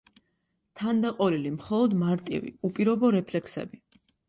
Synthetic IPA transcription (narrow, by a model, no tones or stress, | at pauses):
t̪ʰand̪aqʼɔɾilimχɔlˠɔd̪maɾt̪ʼḭvḭupʼiɾɔbɔɾɛpʰlɛksɛ̰bi